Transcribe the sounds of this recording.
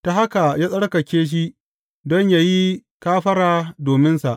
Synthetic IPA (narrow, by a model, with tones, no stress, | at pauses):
ta˨ɦa˦ka˨jaː˦sʼɐ˦ɽkɐ˨kʲeː˦ʃ̬i˦ʔ | dɔ˦ɲjaː˦ji˦ | kaː˦ɸɐ˦ɽaː˨doː˨mɪ˦nsa˨ʔ